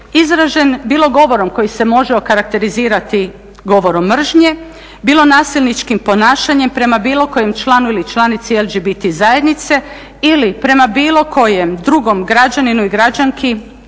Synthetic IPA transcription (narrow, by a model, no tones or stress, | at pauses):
izɾaʒe̞nbiːlo̞ɡo̞ʋo̞ɾo̞mko̞jise̞mo̞ʒeo̞kaɾak̚t̪e̞ɾiziːɾat̪i | ɡo̞ʋo̞ɾo̞mːr̩ʒɲe̞ | biːlˠo̞naːsilˠnit͡ʃkimpo̞naːʃaɲe̞mpɾe̞mabiːlˠo̞ko̞je̞mt͡ʃlˠaːnuilit͡ʃlˠaːnit̪sielˠd͡ʒibit̪izajed̪nit̪se̞ | ilipɾe̞mabiːlˠo̞kʰo̞jemd̪ɾuɡo̞mɡɾad͡ʒaninuiɡɾad͡ʒaŋkʰi